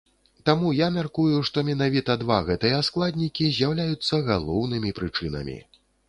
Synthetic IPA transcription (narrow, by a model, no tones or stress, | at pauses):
t̪amujamʲarkujuʂt̪ɔmʲɛn̪avʲit̪ɐd̪vaɣɛt̪ɨjɐːsklˠad̪ʲnʲikʲizʲjawlʲajut̪sːɐɣalˠɔwnɨmʲipɾɨt͡ʂɨnɐ̰mʲḭ